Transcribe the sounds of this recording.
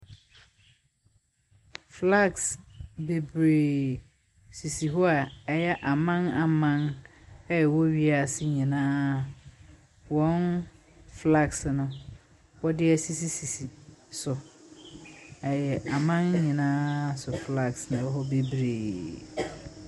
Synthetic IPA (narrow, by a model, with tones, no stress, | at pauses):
fla˦˨ksbe˨bɾe˨ | si˨si˨ɦɔ˦a˨ɛ˨jɛ˦ʔa˨mã˦na˨mã˦nɛ˦jɛ˨wɔ˦ɥi˦a˨sɪ˦ɲĩ˨nãː˦ | wɔ̃˨˦n | fla˦˨ksnʊ̃˨ | wɔ˦dɪ˦ɛ˦si˦si˦si˨si˨sʊ˨ | ɛ˨jɛ˨a˨mã˦nɲĩ˨nãː˦sʊ˨fla˦ksnã˨wɔ˦ɦɔ˦be˦bɾeː˨